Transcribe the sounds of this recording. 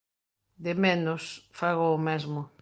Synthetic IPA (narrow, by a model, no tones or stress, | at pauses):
d̪emenosfaɣoːmezmʊ